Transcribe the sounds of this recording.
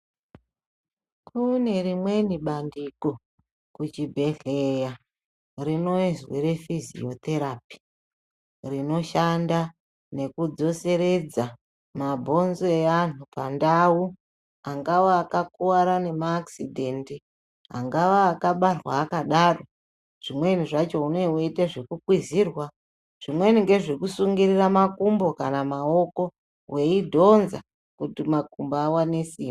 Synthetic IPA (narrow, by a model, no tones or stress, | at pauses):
kʰune̞rimwe̞niɓandiko̞ | kut͡ʃibʱe̞ɮeja | rino̞izweɾe̞fizḭot̪eɾapi̥ | rino̞ʃanda | ne̞kud͡zo̞se̞ɾe̞d͡za | mabʱo̞nzeanupandawu | aŋɡawoakakuwaɾane̞maːksidʱe̞nti | ɦa̰ŋɡaʋaːkaɓarwaːkaɗaro̞ | ʐ̥imwe̞niʐat͡ʃo̞une̞oitaʐekukwiziːrwa | ʐ̥imwe̞niŋɡe̞ʐekusuŋɡiriramakumbo̞kanamao̞ko̞ | we̞idʱo̞nza̰ | kutimakumboawanesiːm